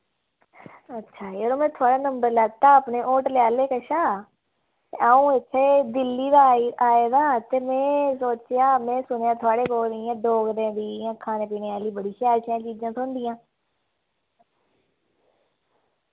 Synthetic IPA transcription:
ətːʃʰaːioːɾoːmɛ̃ːt̪ʰʊaːɽaːnə̃mbəɾləɡ̚t̪aːəpneːʔoːʈlɪjaːleːkəʃaː | t̪eaːũːɪt̪ʰːeːd̪ɪlːiːd̪aːaːeːd̪aːt̪eːmɛ̃ːsoːt͡ʃjaːmɛ̃ːsʊnejaːt̪ʰʊaːɽeːkoːlɾiãːɖoːɡɾɛ̃ːd̪iːãːkʰːaːneːpiːneːaːliːbəɽiːʃjaːɾt͡ʃːt͡ʃiːd͡ʒãːsʊnd̪iːjãː

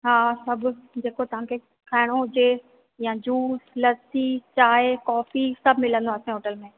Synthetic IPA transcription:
ɦaːsɐbʱʊd͡ʑeːkot̪ɐʋ̤ãkʰe | kʰaːɪɽ̃oʊd͡ʑe | jãd͡ʑuːslɐsit͡ɕaːekɔːfisɐbʱmɪlə̃nd̪oaːsẽɦoːʈəlmẽː

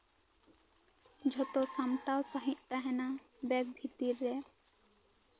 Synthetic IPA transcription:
d͡ʒʱɔt̪osamʈawsaɦit̪t̪aɦɛna | bɛk̚bʱit̪iɾːɛ

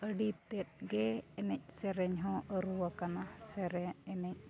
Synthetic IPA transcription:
əɖit̪ɛt̪̚ɡɛɛnɛc̚ˀsɛɾɛɲɦɔ̃ʔəɾuwakanasɛɾɛɛnɛc̚

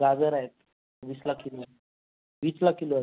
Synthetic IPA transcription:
ɡad͡zəɾaɦet̪ | ʋiːslakːiloa | ʋislakːilo

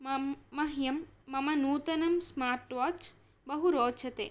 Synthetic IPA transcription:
ɐɦjɐmːɐmɐnuːt̪ɐnɐmsmaːɾʈʋat͡ʃ | bɐɦuɾoːt͡ʃʰɐt̪ḛː

